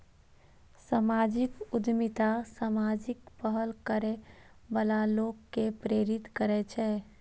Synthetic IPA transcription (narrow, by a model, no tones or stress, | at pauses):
samaːd͡ʒɪkʊd̪mɪt̪asamaːd͡ʒɪkpəɦəlkəɾe | bəlaloːɡkepɾeːɾɪt̪kəɾɛt͡ʃʰɛː